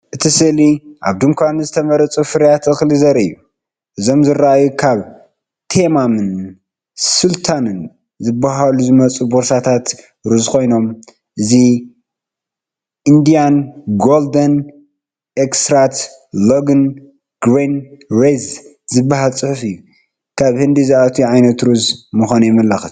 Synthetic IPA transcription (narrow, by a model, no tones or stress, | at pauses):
ʔɨt̪ʰisɨliʔa̰βd̪ɨŋkʰʷanzɨt̪ʰɐmɐɾɐt͡sʼufɨɾijat̪ɨxlɨzɐɾɨjːu | ʔɨzo̞mzɨɾːaʔajukʰaβ | t̪ʰemamɨn | sult̪ʰanɨn | zɨbːaɦaluzɨmɐt͡sʼuboɾsat̪ʰat̪ | ɾɨzkʰo̞jno̞m | ʔɨzi | ʔɨnd̪ijanɡold̪ɐn | ʔekst̪ɾat̪ | loɡɨn | ɡ̥ɾenɾez | zɨbːahalt͡sʼɨħfɨjːu | kʰaβhɨnd̪izaat̪ʰiʕajnɐt̪ɾuzmɨxʷanujɛmɐlaxɨs